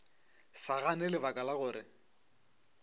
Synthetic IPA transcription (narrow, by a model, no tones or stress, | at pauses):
saɣanɛlɪbakʼalaɣʊːɾɪ